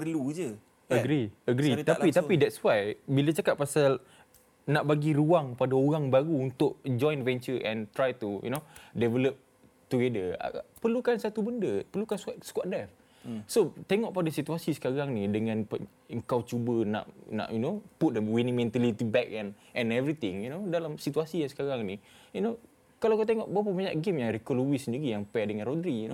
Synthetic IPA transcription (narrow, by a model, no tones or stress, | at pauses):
pərlud͡ʒə | əɡɾiəɡɾit̪apit̪apidɛtswajbilat͡ʃakaʔ̚pːasal | naʔbaɡiɾuaŋpadaoɾaŋbaɾuunt̪ʊʔ̚d͡ʒɔ̃jnvɛ̃nt͡ʃəʔɛ̰̃nt̪ɾajt̪ujṵnodɛvɛləp̚ | t̪uɡedə̰pərlukansat̪ubəndəpərlukansskwaʔ̚dɛf | sot̪ɛŋɔʔpadasit̪uasisə̥kaɣaŋnidəŋãnp | əŋkawt͡ʃubənã̰ʔnã̰ʔjunoput̪̚dəwinĩmɛ̃nt̪əlit̪ibɛk̚ɛ̃n | ʔɛ̃nɛvɾit̪ɪ̃ŋjunodalamsit̪uasijaŋsə̥kaɾaŋnijuno | kalakat̪̬eŋɔʔbaap̬əmaɲaʔɡɪmjaŋɾikɔluwisəndiɾijaŋpaʔdəŋãnrodəɾijuno